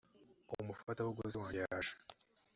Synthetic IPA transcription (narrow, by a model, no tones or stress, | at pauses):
omufatawuɡozewaːjaʃḁ